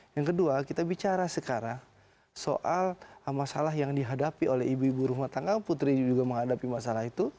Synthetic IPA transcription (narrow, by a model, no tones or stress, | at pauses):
jaŋkəduakit̪abit͡ʃaɾasəkaɾaŋ | so̰ʔalmasalaɦjaŋdiɦadapiolɛɦibuibuɾuɦmat̪aŋanput̪ɾid͡ʒuɡaməŋɦadapimasalahit̪u